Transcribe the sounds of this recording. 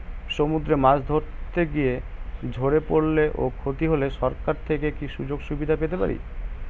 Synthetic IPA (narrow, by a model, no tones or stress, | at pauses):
ʃomud̪ɾemad͡ʑd̪ʱoɾt̪eɡijed͡ʑʱoɽepoɽleʔokʰot̪iɦoleʃɔɾkaɾt̪ʰekekiʃud͡ʑoɡʃubid̪ʱapet̪epa̰ɾḭ